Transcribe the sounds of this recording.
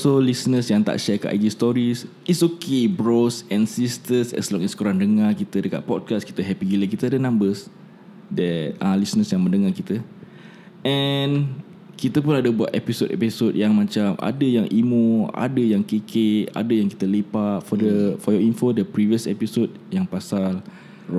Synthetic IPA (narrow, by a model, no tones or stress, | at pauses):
solisənəsjaŋt̪a̰ʔʃɛkə̰ʔa̰jdist̪ɔɾisʔisokʰebɾosɛ̃nsist̪əsɛ̰slɔ̃ŋɛskɔɾandəŋakit̪ədəka̰t̪̚pɔd̚kaski̥t̪əɦɛpiɡiləkit̪əadənãmbəs | dɛtãlisənəsjaŋmə̃ndəŋakit̪ə | ɛn | kit̪əp̬unadəbua̰ʔ̪ɛpisotɛ̰pisot̚jaŋmãt͡ʃamʔa̰dəjaŋʔimoa̰dəjaŋkikɪʔa̰dəjaŋki̥t̪əlipat̪̚fɔdəfɔjɔinfodəpɾiviəsɛ̰pisot̚jaŋpasal